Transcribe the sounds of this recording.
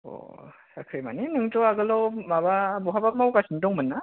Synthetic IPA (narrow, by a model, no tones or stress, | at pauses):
ɔ̰sakʰɾɯma̰ninɯŋtɔaɡɯlɔmababɔɦabak̚mawkasʰindɔŋmɯnːa